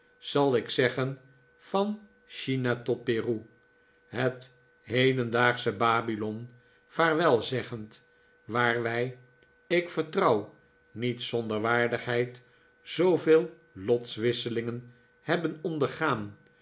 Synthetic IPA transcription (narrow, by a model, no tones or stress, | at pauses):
z̥ɑlˠɪksɛχən | fɑn | ʃinatɔt̚peːru | ɦət | ɦejdəndaːχsəbaːbilɔn | faːɹʋɛlˠzɛχənt | ʋaːɹʋɛj | ɪkfəɹtrɑw | nitsɔndəɹʋaːɹdəχɦɛjt | z̥owveːlˠ | lɔtsʋɪsəlɪŋən | hɛbənɔndəɹχaːn